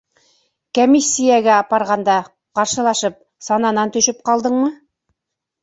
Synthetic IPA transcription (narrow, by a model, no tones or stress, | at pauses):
komʲisʲːijaɡæɑpɑɾʁɑnd̪ɑ | qɑɾʃɤ̆lˠɑʃɤp̚ | sɑnɑnɑnt̪ɵ̆ʃɘp̚qɑlˠd̪ɤɴmɤ